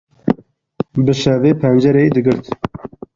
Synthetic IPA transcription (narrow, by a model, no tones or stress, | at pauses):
bɨʃɛveːpʰɛnd͡ʒɛɾeid̪ɨɡɨɾt̪